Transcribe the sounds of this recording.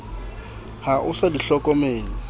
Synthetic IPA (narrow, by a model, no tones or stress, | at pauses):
haʔʊsadiɬɔkʼɔmeːŋi